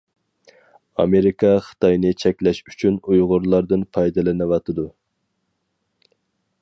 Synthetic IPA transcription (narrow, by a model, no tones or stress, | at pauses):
ɑ̰meɾikʰɑχə̥t̪ɑjnɨt͡ʃʰɛkʲlɛʃy̥t͡ʃʰynujʁʊɾlˠɑɾd̪ɨnpʰɑjd̪ɨlɪnɨwɑt̪ʰɨd̪u